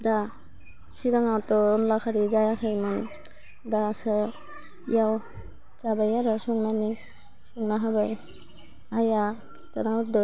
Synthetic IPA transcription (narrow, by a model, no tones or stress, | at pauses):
da | siɾaŋawtɔɔnlakʰaɾizajakʰaimɔn | dasɛ | ḭjaw | t͡ʃabajaɾasɔŋnani | sɔŋnaɦabaj | ajakʰi̥stanawdɔ